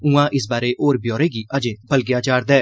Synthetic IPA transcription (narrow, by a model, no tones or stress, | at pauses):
ũãːʔɪsbaːɾeːʔoːɾbjoːɾeːɡiːəd͡ʒẽːpəlɡjaːt͡ʃaːɾd̪ɛː